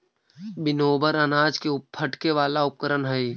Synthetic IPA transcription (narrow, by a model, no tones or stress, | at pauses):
bɪnoːbəɾənaːd͡ʒkeʊpʰəʈkeʋaːlaʊp̚kəɾənɦəi